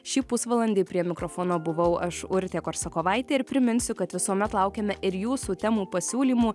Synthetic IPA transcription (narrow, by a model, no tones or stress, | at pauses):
ʃʲiːpʊsʋɐlˠɐnʲd̪ʲeːɪpʲɾʲiɛmʲɪkɾofoːnoːbʊʋɐʊʔɐʃʊɾʲt̪ʲeːkoːɾsɐkoːʋɐɪt̪ʲeːɪɾpʲɾʲɪmʲɪnʲsʲʊkɐt̪ʋʲɪsuɔmʲɛt̪lˠɐʊkʲeːmʲɛʔɪɾjuːsuːt̪ʲɛmuːpɐsʲuːlʲiːmuː